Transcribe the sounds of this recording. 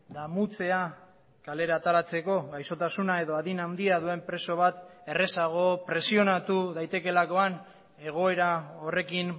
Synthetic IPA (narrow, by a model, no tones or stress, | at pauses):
d̪amut͡se̞a | kale̞ɾat̪aɾat͡se̞ko̞ɣajso̞t̪asunae̞ðo̞aðinawnd̪iaðue̞mpɾe̞so̞β̞at̪e̞re̞saɣ̞o̞pɾe̞sio̞nat̪uðajt̪e̞ke̞lako̞an | e̞ɣ̞o̞e̞ɾao̞re̞kin